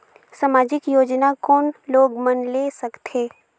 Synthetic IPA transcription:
samaːd͡ʒɪkjoːd͡ʒnakɔːnloːɡmɐnlesɐkt̪ʰeː

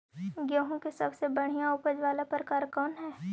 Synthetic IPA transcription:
ɡjõːɦõkesɐbsebɐɽ̤ijãʊpəd͡ʒʋaːlapəɾkaːɾkɔːnɦɛː

